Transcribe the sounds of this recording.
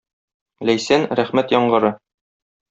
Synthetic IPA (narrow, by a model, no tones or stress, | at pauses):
læjsænɾæχmæt̪jɒɴɢɤ̆ɾɤ